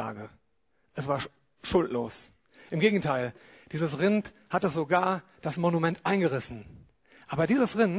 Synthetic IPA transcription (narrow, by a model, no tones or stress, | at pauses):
a̰ːɡə | ʔɛsv̥aːɐ | ʃʊltʰloːs | ʔɪmɡeːɡŋ̩tʰaɪl | d̥iːzəsʁɪnt | hatəz̥oɡaːɐd̥asmonumɛntʔaɪnɡəʁɪsn̩ | ʔaːbɐdiːzəsʁɪn